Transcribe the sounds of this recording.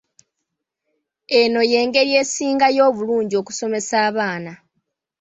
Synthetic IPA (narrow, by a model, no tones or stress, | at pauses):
e̞no̞je̞ːŋɡe̞ɾje̞ːsiːŋɡajo̞ːβuluːɲɟio̞ːku̥so̞me̞saːβaːna